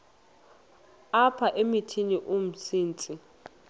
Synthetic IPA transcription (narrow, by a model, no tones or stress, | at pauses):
apʰaʔemitʰiniʔum̩siːnt͡sʼi